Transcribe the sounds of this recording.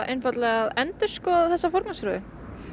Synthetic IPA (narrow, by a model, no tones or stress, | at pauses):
ʔejnfat̪lɛɣaðɛnt̪ɪɾ̥skɔaðθɛsːafɔɾknasɾʏːðɪ